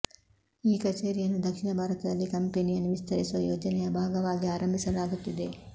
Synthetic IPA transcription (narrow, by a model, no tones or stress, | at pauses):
iːkɐt͡ʃeːɾijɐnːud̪ɐkʂiɳɐbʱaːɾɐt̪ɐd̪ɐlːikɐmpenijɐnːuʋist̪ɐɾisuʋɐjoːd͡ʒɐnɛjɐbʱaːɡɐʋaːɡiaːɾɐmbʱisɐlaːɡut̪ːid̪e̞